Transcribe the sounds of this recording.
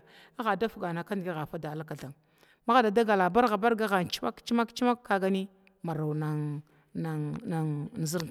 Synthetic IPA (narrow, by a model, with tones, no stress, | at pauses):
a˦ɣa˨da˦fu˨ɡa˨na˨ka˦ndi˨ɡi˦ɣa˨fa˦da˨la˦ka˨ɬa˨ŋ | ma˦ɣa˦da˨da˦ɡa˨la˨ba˦ɾɣa˨ba˦ɾɡa˦ɣa˨nt͡ʃi̥˦ma̰˦kt͡ʃi˦ma˦kt͡ʃi˦ma˦kːa˦ɡa˦ni˦ | ma˨ɾa˨wna˨ | na˨a˨ŋ˨n˨zi˦ɾ